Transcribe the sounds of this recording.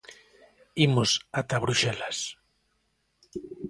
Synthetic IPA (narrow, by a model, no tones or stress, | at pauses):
imosat̪aβɾuʃɛlas